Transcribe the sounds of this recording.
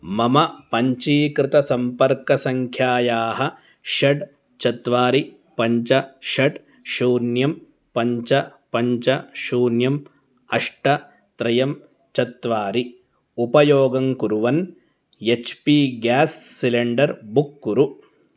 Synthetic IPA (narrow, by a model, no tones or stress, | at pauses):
mɐmɐpɐɲt͡ʃiːkɾɪt̪ɐsɐmpɐɾkɐsɐŋkʰjaːjaːɦɐ | ʃɐɖ | t͡ʃɐt̪ʋaːɾi | pɐɲt͡ʃɐʃɐʈ | ʃuːnjɐm | pɐɲt͡ʃɐpɐɲt͡ʃɐʃuːnjɐm | ɐʂʈɐ | t̪ɾɐjɐm | t͡ʃɐt̪ʋaːɾi | upɐjoːɡɐŋkuɾuʋɐn | jet͡ʃpiːɡaːsːileɳɖɐɾbukːuɾu